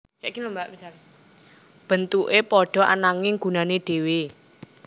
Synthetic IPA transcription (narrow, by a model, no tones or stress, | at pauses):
kaʔkilumbaʔb̥isal | b̥ə̤nt̪uʔepɔɖ̥ɔ̤ʔa̰naŋɪŋɡ̥ṳnaneɖ̥e̤we